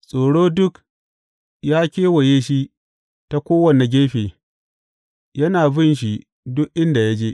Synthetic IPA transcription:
sʼoː˨ɽoː˦dʊ˦k | jaː˦kʲeː˦wɐ˨jeː˦ʃi˦ | ta˦kʷoː˦wɐ˨nːa˨ɡʲeː˦ɸeː˨ | jɐ˦naː˨bɪ˦˨nʃ̬i˦ | dʊ˦kʔɪ˦nda˨ja˦d͡ʒeː˦

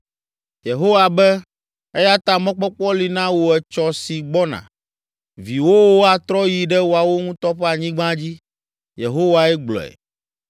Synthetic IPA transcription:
je˨ɦo˦wa˨bɛ˦ | ɛ˦ja˦t̪a˨mɔ̃˦k͡pɔ˦k͡pɔ˦li˨nã˦wo˨ɛ˨t͡ʃɔ˨si˨ɡ͡bɔ˦nã̰˨ | vi˨wo˦wo˦a˨t̪ɾɔ˦ji˨ɖɛ˦wo˨a˨wo˦ŋũ˦t̪ɔ˦ɸɛ˦a˨ɲĩ˦ɡ͡bã˦d͡ʑi˦ | jḛ˨ɦo˦wa˨ɛ˦ɡ͡blɔ̰˨ɛ̰˨

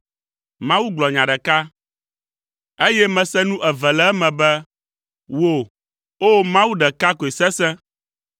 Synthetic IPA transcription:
mã˦wu˦ɡ͡blɔ˨ɲã˨ɖɛ˨ka˦ | e˦jɛ˦mɛ̃˨sɛ˦nũ˦ʔɛ˨vɛ˨lɛ˦ɛ˦mɛ̃˨bɛ˦ | wo˦˨ | o˦mã˦wu˦ɖɛ˨ka˦ko˨e˨sɛ˦sɛ̃˦

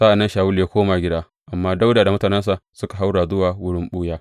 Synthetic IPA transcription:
sa˦ʔa˨nːɐ˦nʃaː˨wʊ˦ljaː˦kʷoː˦maː˨ɡʲɪ˦daː˦ | ʔa˨mːaː˦da˦wda˨da˨mʊ˦taː˨nɛ˦ns̬a˨ʔsʊ˦ka˨ɦa˦wɽaː˨zʊ˦waː˨wʊ˦ɽɪ˦mɓu˦jaː˦

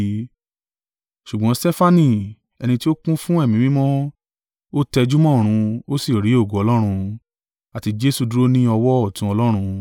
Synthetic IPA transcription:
ʃu˨ɡ͡bɔ̃˨˦stɛ˦fa˦nĩ˧˨ | ɛ˧nĩ˧ti˦o˦kũ˦fũ˦ɛ˦˨mĩ˨˦mĩ˦mɔ̃˦ | o˦tɛ˧d͡ʒu˦mɔ̃˦˨ɾ̃ũ˧o˦si˦˨ɾi˨˦o˦˨ɡo˨˦ɔ˧lɔ˦ɾ̃ũ˧ | a˨ti˧d͡ʒe˦su˦˨du˦ɾo˦nĩ˦ɔ˧wɔ˦ɔ˦˨tũ˨˦ɔ˧lɔ˦ɾ̃ũ˧

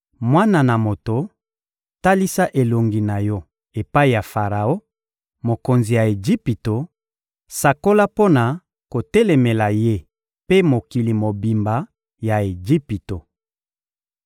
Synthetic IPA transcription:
mwa˦na˨na˨mo˨to˨ | ta˦li˦sa˦ʔe˨lo˨ŋɡi˨na˨jɔ˦ | e˨pa˦i˨ja˨fa˨ʁa˨o˦ | mo˨ko˨nzi˨ja˨e˨d͡ʒi˦pi˨to˨ | sa˨ko˦la˦po˦na˨ | ko˨tɛ˦lɛ˨me˨la˨je˦ | pe˦mo˨ki˨li˨mo˨bi˨mba˨ | ja˨e˨d͡ʒi˦pi˨to˨

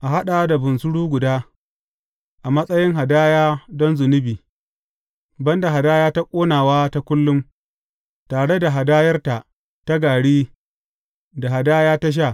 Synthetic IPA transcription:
ʔa˨ɦa˦ɗa˨˦da˨bʊ˨nsʊ˦ɽuː˦ɡʷʊ˨daː˦ | ʔa˨mɐ˦sʼɐ˦jɪ˦ŋɦa˨daː˦jaː˦dɔ˦nzʊ˨nɪ˦biː˨ | bɐ˦nda˨ɦa˨daː˦jaː˦ta˦kʷʼoː˦naː˨waː˦ta˦kʷʊ˦lːʊ˦m | taː˨ɽe˦da˨ɦa˨daː˦jɐ˦rta˨ʔ | ta˦ɡaː˨ɽiː˦ | da˨ɦa˨daː˦jaː˦ta˦ʃ̬a˦˨

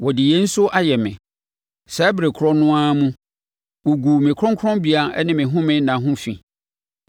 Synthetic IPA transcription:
wɔ˨dɪ˨je˦n̩˦sʊ˦ʔa˦jɛ˨mɪ̰̃˨ | sɛ˦bɾe˨kʰɾɔ˦nʊ̃˦ã˦mũ˦ | wo˨ɡu˨mɪ̃˨kʰɾɔ̃˦ŋkʰɾɔ̃˦bi˦a˨˦ɛ˦nɪ̃˦mɪ̃˨ɦʊ̃˦mɪ̃˦nã˨ɦʊ̃˦fḭ̃˨

